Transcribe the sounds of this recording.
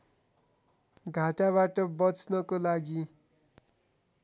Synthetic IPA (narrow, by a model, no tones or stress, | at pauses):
ɡʱaʈaβaʈʌbʌt͡snʌkolaɡi